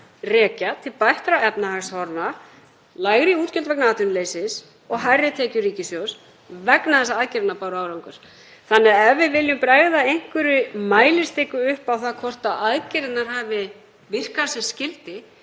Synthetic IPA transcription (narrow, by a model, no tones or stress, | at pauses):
rɛːcat̪ʰɪlpajht̪ɾaɛpnaɦaɣshɔɾna | laːjɣɾiuːt̪cʏlt̪vɛknaaːt̪ʏnleːjsɪs | ɔɣɦajrːɪt̪ʰɛːcʏriːcɪsjows | vɛknaθɛsːaaðcɪɾɪt̪napawɾaːwɾawŋkʏɾ̥ | θanːɛɣɛvɪvɪljʏmpɾaːɣðaejŋ̥kvʏɾʏmaːjlɪ̥st̪ekʏʏhpawθaðkʰɔr̥t̪aðaðcɪɾɪt̪naɾ̥hɦaːvɪ | vɪr̥kasɛmscɪlt̪ɪ